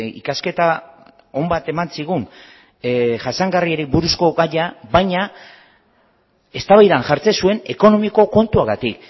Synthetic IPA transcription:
ḭkaske̞t̪a | o̞mbat̪e̞mansiɣ̞un | ʝasaŋɡarieɾibuɾusko̞ɣaʎaβajɲa | e̞st̪aβajðanʝaɾt͡se̞sue̞ne̞ko̞no̞miko̞ko̞nt̪uaɣat̪ik

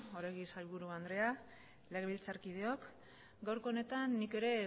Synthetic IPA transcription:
oɾeɣisajβuɾuand̪ɾe̞a | leɣeβilt͡saɾkið̞e̞o̞k | ɡawɾko̞ne̞t̪anːike̞ɾe̞

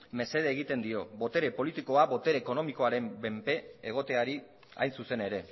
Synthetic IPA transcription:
me̞se̞ð̞eːɣit̪e̞nd̪io̞bo̞t̪e̞ɾe̞po̞lit̪iko̞aβo̞t̪e̞ɾeːko̞no̞miko̞aɾe̞mbe̞mpe̞eɣ̞o̞t̪e̞aɾi | a̰jnsuse̞ne̞ɾe̞

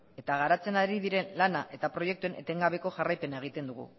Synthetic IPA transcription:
e̞t̪aɣaɾat͡se̞naɾiðiɾe̞nlanaʔe̞t̪apɾo̞jek̚t̪ue̞nʔe̞̰t̪e̞ŋɡaβ̞e̞ko̞ʝarajpe̞nae̞ɣ̞it̪e̞nd̪uɣ̞ṵ

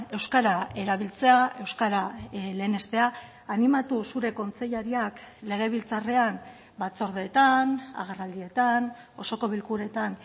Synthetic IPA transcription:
e̞wskaɾae̞ɾaβilt͡se̞ae̞wskaɾale̞ːne̞st̪e̞aː | nimat̪usuɾe̞ko̞nt͡se̞ʎaɾiakle̞ɣ̞e̞β̞ilt͡sare̞an | bat͡so̞ɾðeːt̪ana̰ɣ̞erald̪ie̞t̪an | o̞so̞ko̞β̞ilkuɾe̞t̪an

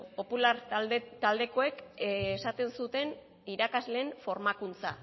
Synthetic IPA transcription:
po̞pulaɾt̪ald̪eko̞e̞kːsat̪e̞nsut̪e̞n | iɾakazle̞ːɱfo̞ɾmakunt͡sa̰

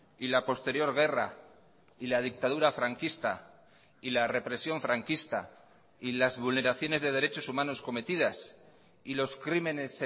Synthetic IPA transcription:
ilapo̞st̪e̞ɾjo̞ɾɣ̞e̞ra̰ | ilað̞ik̚t̪að̞uɾafɾaŋkist̪a | ilare̞pɾe̞sjo̞ɱfɾaŋkist̪a | ilazβulne̞ɾaθjo̞ne̞zðe̞ð̞e̞ɾe̞t͡ʃo̞sumãno̞sko̞me̞t̪iðas | ilo̞skɾime̞ne̞s

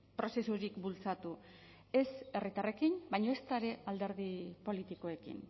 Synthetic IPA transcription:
pɾo̞se̞suɾikbult͡sat̪u | e̞se̞rit̪are̞kinbajɲo̞e̞st̪aɾe̞ald̪e̞ɾðipo̞lit̪iko̞e̞kḭn

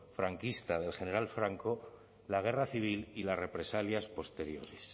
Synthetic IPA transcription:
fɾaŋkist̪aðe̞lxe̞ne̞ɾalfɾaŋko̞ | laɣ̞e̞raθiβ̞ililasre̞pɾe̞saljaspo̞st̪e̞ɾjo̞̰ɾes

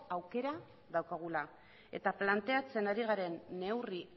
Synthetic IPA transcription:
awke̞ɾa | ðawkaɣ̞ula | e̞̰t̪aplant̪e̞at͡se̞naɾiɣ̞aɾe̞nːe̞wri

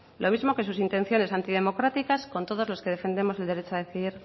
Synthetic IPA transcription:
lʔo̞mizmo̞ke̞susint̪ẽ̞n̟θjo̞ne̞sant̪iðe̞mo̞kɾat̪ikasko̞nt̪o̞ð̞olo̞ske̞ð̞e̞fe̞nd̪emose̞ld̪eɾet͡ʃoaðeθiðiɾ

